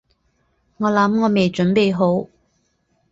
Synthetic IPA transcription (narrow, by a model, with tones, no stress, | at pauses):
ŋɔː˨˧lɐ˨˥mŋɔː˨˧me˨jt͡ʃɵ˨˥npe˨˧jɦo˨˥w